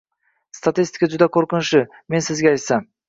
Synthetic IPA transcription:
st̪at̪ist̪ɪ̥kad͡ʒʊd̪akʰoɾqɪnʃɪ | me̞nsɪzɡʲeɑjt̪sam

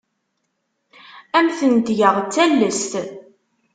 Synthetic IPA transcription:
æmθənt̪ʝəʁt͡sːælːəst̪

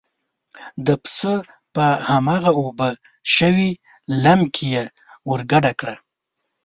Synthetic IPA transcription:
d̪əpsə | pəhamaɣaubə | ʃəwi | lamkʰije | wəɾɡaɖakɽa

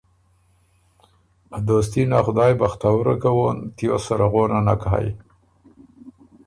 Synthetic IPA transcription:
ad̪os̬t̪inaxʊd̪ɑjbaxt̪awɾakawont̪josaɾaɣonana̰kaɦa̰j

